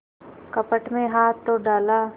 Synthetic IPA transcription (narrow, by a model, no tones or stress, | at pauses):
kɐpəʈmẽɦaːt̪ːoɖaːlaː